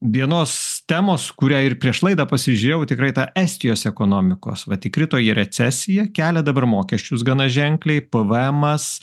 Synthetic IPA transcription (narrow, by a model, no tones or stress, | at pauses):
ʋʲiɛnoːst̪ʲæmoːskʊɾʲæːɪrpʲɾʲiɛʃlˠɐɪd̪ɐpɐsʲɪʒʲʊɾʲeːjɛʊt̪ʲɪkɾɐɪt̪ɑʔæsʲt̪ʲɪjoːsɛkoːnoːmʲɪko̰ːsʋɐt̪ʲɪkɾʲɪt̪oːjɛɾʲɛt͡ssʲɛsʲɪjɛkʲæːlʲɛd̪ɐbɐrmoːkʲɛsʲt͡ʃʲʊs̬ɡɐnɐʒʲɛŋklʲɛɪpɨʋɛmɐs